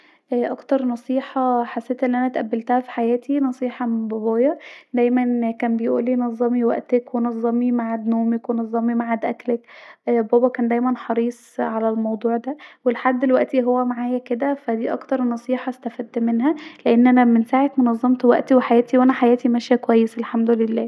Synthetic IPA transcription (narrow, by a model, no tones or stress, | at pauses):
ʔæʔɑkt̪ɑɾˤnɑsˤiːħɑħasːeːt̪ʔenːʔænæt̪ʔæbːelt̪æhæfi̥ħajæːt̪ʰinɑsˤiːħɑmebɑbɑːjɑd̪æjmænkæːnbejʔṵːlːiːnɑzˤːɑmiwæ̰ʔt̪ekwenɑzˤːɑmimaʕad̪noːmekwenɑzˤːɑmimaʕad̪ʔæklækbæːbækæːnd̪æjmænħɑɾˤiːsˤʕalælmɑwd̪ˤuːʕd̪æwelħad̪ːelwæʔt̪iɦowːæmaʕaːjæked̪æfæd̪iːʔɑ̰kt̪ɑɾˤnɑsˤiːħɑst̪æfæːd̪ːmenɦæleʔenːʔænæmensaːʕet̪monɑzˤːɑmt̪ˤwæʔt̪iweħajæːt̪iwʔænæħajæːt̪imæʃjækowæjːeselħamd̪olelːæː